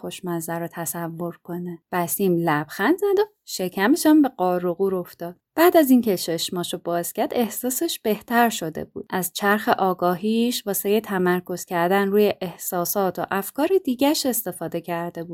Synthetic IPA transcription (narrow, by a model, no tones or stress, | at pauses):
xo̞ʃmæzæɾot̪ʰæsævːo̞ɾkʰo̞neb̥æsiːmlæb̥xænd̪zæd̪o | ʃe̞cʰæmeʃæmbe̞ɣɒːɾoɣuːɾo̞ft̪ɒːd̥̪b̥æːd̪æzincʰeʃeʃmɒːʃobɒːz̥cæɾd̪e̞hsɒːseʃb̥e̞ht̪ʰæɾʃo̞d̪ḛbṵːd̪̥̚ʔæzt͡ʃʰæɾxeʔɒːɡɒːɦiːʃvɒːsejet̪ʰæmæɾko̞z̥cʰæɾd̪ænɾuːjeʔehsɒːsɒːt̪ʰoʔæfkɒːɾed̪iːɟæʃe̞st̪e̞fɒːd̪e̞cʰæɾd̪e̞buːd̪̥